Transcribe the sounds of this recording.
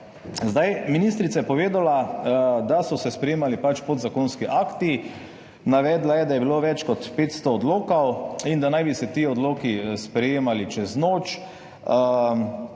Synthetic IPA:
zd̪ajminiːst̪ɾit̪sajɛpɔʋeːd̪alad̪asɔsɛspɾɛjeːmalipat͡ʃpod̪zakonskiʔakt̪i | naʋɛːd̪lajɛd̪ajɛbiloʋɛt͡ʃkɔt̪peːt̪st̪oːd̪loːkawind̪anajbisɛt̪iːɔd̪loːkispɾɛjeːmalit͡ʃɛznoːt͡ʃ

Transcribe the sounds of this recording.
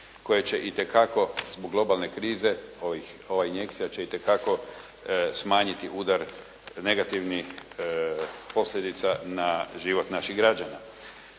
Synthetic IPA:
ko̞jet͡ɕe̞ʔit̪e̞kako̞zboɡlˠo̞balˠne̞kɾiːze̞oʋi | o̞ʋainje̞kt̪sijat͡ɕe̞it̪e̞kako̞ | smaːɲit̪iʔuːd̪aɾ | ne̞ɡat̪iʋnix | po̞slʎʲed̪it̪sanaʒiʋo̞t̪naʃiɣɡɾad͡ʒana

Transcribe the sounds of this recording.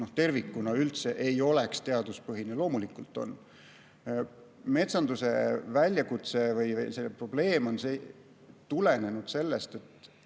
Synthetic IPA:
noht̪e̞rvikːˑunɑylt̪se̞ʔejo̞le̞kst̪e̞ɑd̪̥uspɤɦinelo̞ːmulikˑult̪ːˑo̞̰n | me̞t̪sɑnd̪use̞vælʲːjɑkut̪se̞vɯjvjsepro̞b̥le̞ːmo̞nse | t̪ulene̞nud̪se̞lːe̞st̪e̞t̪ː

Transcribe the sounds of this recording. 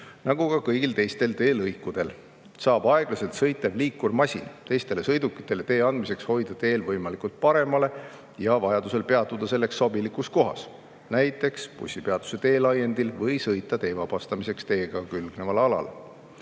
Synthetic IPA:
nɑɡ̥ukɑkɤjɡ̥ilt̪e̞jst̪e̞lt̪e̞ːlɤjkːud̪̥e̞l | sɑːb̥ɑe̞ɡ̥lɑse̞lt̪sɤjt̪ːˑevliːkːurmɑsʲḭnt̪e̞jst̪e̞le̞sɤjd̪ukːˑi̥t̪ːˑe̞le̞t̪e̞ːɑnd̪̥mise̞ksho̞jd̪̥ɑt̪e̞ːlvɤjmɑlikult̪̚pɑɾe̞mɑle̞ | jɑvɑjɑd̪use̞lpe̞ɑt̪ːˑud̪̥ɑse̞lːe̞ksːobilikusko̞ɦɑ̰s | næjt̪ːˑe̞kspṵsʲːipe̞ɑd̪̥u̥se̞t̪e̞ːlɑje̞nd̪ilvɤjsɤjt̪ˑːɑt̪e̞ːvɑb̥ɑst̪ɑmise̞kst̪e̞ːɡ̥ɑkylɡ̥nevɑlɑlɑ̰l

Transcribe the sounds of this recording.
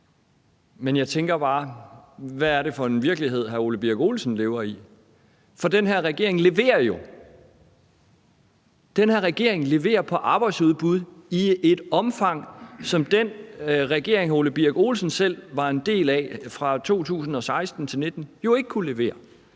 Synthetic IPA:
menjɑ̈ɪt͡sʰeŋɡ̥ɐb̥ɑ̈ː | ʋæːɐɾe̝fɒ̽e̝nʋiɐɡ̥liɦe̝ð̰ˠɦæo̝ləb̥iɐɡ̥o̝ːlsn̩leːʊɐi | fɒ̽d̥enɦæɐ̰ʁɛɡ̥e̝ɐe̝ŋle̝ʋe̝̰ːɐjo̝ | d̥enɦæɐ̰ʁɛɡ̥e̝ɐeŋle̝ʋe̝̰ːɐpʰɒ̽ʔɑ̈b̥ɑ̈ɪd̥suð̞̩ˠb̥uð̞ˠie̝d̥ɒ̽mfɑ̈ŋ̰sɒ̽md̥en̰ʁɛɡ̥e̝̰ɐ̰e̝ŋhæɐo̝ləb̥iæɡ̥o̝ːlsn̩sel̰ʋɑ̈e̝nd̥e̝̰ːlɛfʁɑ̈t͡sʰo̝̰ːt͡sʰṵːsn̩ɒ̽sɑ̈ɪsd̥n̩t͡sʰe̝lne̝d̥n̩jo̝e̝ɡ̥əkʰule̝ʋe̝̰ːɐ

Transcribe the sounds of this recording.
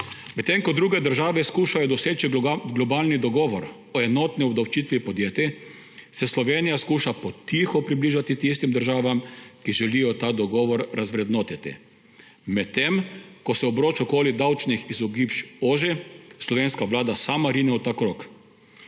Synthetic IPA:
mɛt̪ːemkɔd̪ɾuɡɛd̪əɾʒaːʋɛskuːʃajɔd̪ɔseːt͡ʃiɡlɔbaːlnid̪ɔɡɔːʋɔɾ | ɔɛnɔt̪niɔbd̪awt͡ʃiːt̪ʋipɔd̪jeːt̪i | sɛslɔʋeːnijaskuːʃapɔt̪ixɔpɾibliːʒat̪it̪is̬t̪imd̪əɾʒaːʋamkiʒɛlijɔt̪aːd̪ɔɡɔːʋɔɾɾʔazʋɾɛd̪noːt̪it̪ḭ | mɛtt̪ːemkɔsɛɔbɾoːt͡ʃɔkoːlid̪awt͡ʃnixizɔɡipt͡ʃoːʒislɔʋeːnskaʋlaːd̪asaːmaɾiːnɛɔt̪akɾoːk

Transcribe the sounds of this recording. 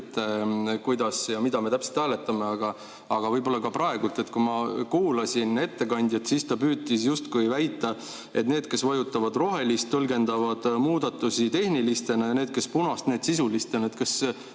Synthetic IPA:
t̪ːˑkujd̪̥ɑsjɑmid̪ɑme̞t̪æpse̥t̪hæːlet̪ːˑɑme̞ɑɡ̥ɑː | ɡ̥ɑvɤjbo̞lːɑkɑpɾɑe̞ɡ̥ult̪ːˑe̞t̪ːˑkujmɑkuːlɑsʲine̞t̪ːe̞kɑnʲd̪jɑt̪sist̪ɑpyːt̪ˑːisjust̪kujvæjt̪ːˑɑ | e̞t̪ne̞ːd̪̥̚ke̞svɑjut̪ːˑɑvɑd̪̥ro̞ɦe̞list̪ːɤlɡe̞nd̪̥ɑvɑd̪̥muːd̪̥ɑt̪ːˑusit̪e̞hnilist̪e̞nɑjɑneːd̪̥̚ke̞spunɑst̪ne̞ːd̪̥sisulist̪enet̪kes

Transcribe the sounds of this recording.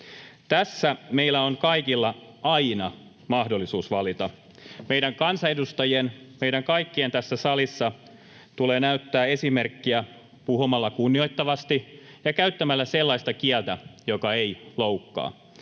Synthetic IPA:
t̪æsːæme̞ilːˑæonkɑikilːɑ | ɑinɑ | mɑhdolːisuːsʋɑlit̪ɑ | mejdɾæŋkɑnsɑedust̪ɑjienmeiɾæŋkɑikːient̪æsːæsɑlisːɑ | t̪uleːnæyt̪ːæːe̞sime̞rkːiæ | puɦumɑlːɑkunːio̞jt̪ːɑʋɑst̪ijɑkæyt̪ːæmælːæselːɑijst̪ɑkiælt̪æjo̞kɑe̞iloukːɑ̰ː

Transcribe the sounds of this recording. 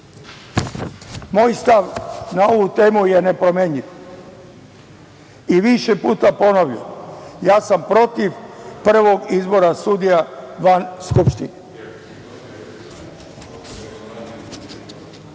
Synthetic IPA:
mo̞ːjst̪aʋnao̞ʋut̪e̞ːmuje̞ne̞pɾo̞meɲiʋ | iʋiʃepuːt̪apo̞noʋjo̰jaːsampɾo̞t̪iʋpr̩ʋo̞ɡizbo̞ɾasud̪ijaʋanskupʃt̪ine

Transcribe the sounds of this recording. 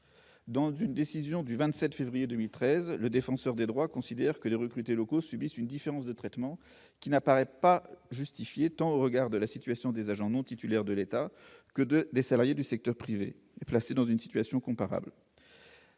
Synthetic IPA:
d̪ɑ̃zynd̪esizjɔ̃d̪yvɛ̃t̪sɛt̪fevʁijed̪əmilt̪χɛzləd̪efɑ̃sœʁd̪ed̪ʁwakɔ̃sid̪ɛʁkəleʁəkχyt̪elɔkosybisynd̪ifeʁɑ̃sd̪ət̪χɛt̪mɑ̃ | kʲinapaʁɛpaʒyst̪ifjet̪ɑ̃oʁəɡaʁd̪əlasit̪ɥasjɔ̃d̪ezaʒɑ̃nɔ̃t̪it̪ylɛʁd̪əlet̪akəd̪əd̪esalaʁjed̪ysɛk̚t̪œʁpχive | plased̪ɑ̃zynsi̥t̪ɥasjɔ̃kɔ̃paʁa̰bl

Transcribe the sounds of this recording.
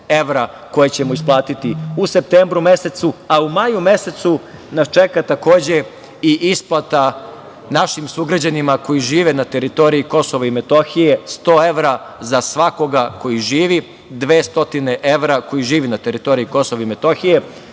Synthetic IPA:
e̞ʋɾa | ko̞jet͡ɕe̞moisplˠaːt̪it̪iuse̞p̚t̪embɾume̞se̞t̪suaumajume̞se̞t̪su | nast͡ʃe̞kat̪ako̞ːd͡ʑe̞ | iʔisplˠat̪a | naʃimsuɡɾad͡ʑanimako̞jiʒiːʋe̞nat̪e̞ɾit̪o̞ɾiiko̞soʋaime̞t̪o̞xije̞st̪o̞ːe̞ʋɾa | zasʋako̞ɡako̞jiʒiːʋi | d̪ʋe̞ːst̪o̞t̪ine̞ʔe̞ʋɾako̞jiʒiːʋinat̪e̞ɾit̪o̞ɾiiko̞soʋaime̞t̪o̞xije̞

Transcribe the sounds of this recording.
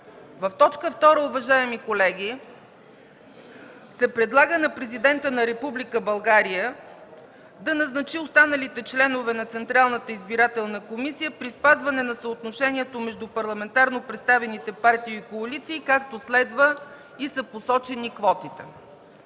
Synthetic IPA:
vɐft̪ɔt͡ʃkəft̪ɔɾəʊvɐʒaɛmikolɛɡʲi | sɛpɾɛd̪lˠaɡənɐpɾɛzid̪ɛnt̪ənɐɾɛpublikəbɐlˠɡaɾijə | d̪ɐnɐznɐt͡ʃiost̪anəlit̪ɛt͡ʃlɛnovɛnɐt̪sɛnt̪ɾalˠnət̪əizbiɾat̪ɛlˠnəkomisijəpɾispazvɐnɛnɐsəot̪noʃɛniɛt̪omɛʒd̪upɐɾlˠɐmɛnt̪aɾnopɾɛt̪st̪avɛnit̪ɛpaɾt̪iːkoɐlit̪siːkak̚t̪oslɛd̪və | isəposɔt͡ʃɛnikvɔt̪it̪ɛ

